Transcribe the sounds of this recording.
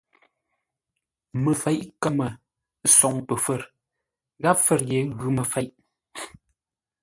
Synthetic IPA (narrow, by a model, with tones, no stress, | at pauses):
mə˨fɛ˨˦jʔkə˦mə˨ | sɔ˨ŋpə˨fə˦˨ɾ | ɣa˦p̚fə˨ɾje˨˦ɣʉ˨˦mə˨fɛ˨˦jʔ